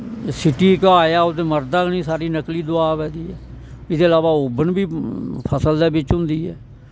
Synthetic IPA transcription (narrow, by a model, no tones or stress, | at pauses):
sɪʈiːkaːjaːot̪eːməɾd̪aːknĩːsaːɾiːnəkliːd̪ʊaːʋɛ̃ːd̪iːɛːɪd̪eːəlaːʋaːoːbənbiːpʰəsəld̪ɛːbɪt͡ʃɦʊ̃nd̪iːɛ̰ː